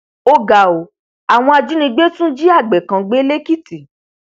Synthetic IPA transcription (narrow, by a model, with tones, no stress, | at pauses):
o˧ɡa˨o˨˦ | a˨w̃ɔ̃˧a˧d͡ʒu˨˦nĩ˧ɡ͡be˦tũ˦d͡ʒi˦a˦˨ɡ͡bɛ˨kã˨˧ɡ͡be˨˦le˦ki˦ti˨